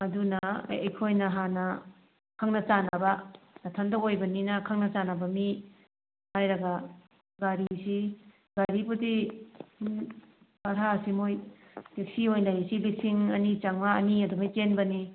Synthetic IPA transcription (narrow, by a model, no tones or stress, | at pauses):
ɐdunɐ̰ɐjkʰojnɐɦanɐ | kʰaŋnɐt͡ʃanabɐnɐtʰɐndokojbɐninɐkʰaŋnɐt͡ʃanabɐmi | hajɾɐɡa | ɡaɾisi | ɡaɾibuti | paɾɦasimojbek̚siojndajisilik̚siŋɐnit͡ʃaŋmaɐniɐdumajt͡ʃenbɐni